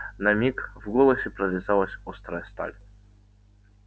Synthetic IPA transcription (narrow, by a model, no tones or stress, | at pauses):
nɐmʲikvɡɔlˠɐsʲɛpɾɐvʲɪzalˠɐsʲɔst̪ɾajst̪a̰lʲ